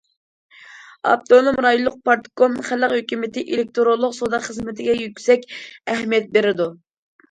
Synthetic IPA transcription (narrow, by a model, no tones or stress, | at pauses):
ɑ̰b̚t̪olˠɨmɾɑjulˠːʊq̚pɑɾt̪konχæləqhøkʲymɪt̪ɪʔelɪk̚ʲt̪ʰoɾolˠːʊqsod̪ɑqχəzmɪt̪ʰɪɡʲɛjykʲsɛkʲɛɦmijɛt̪̚beɾɪd̪u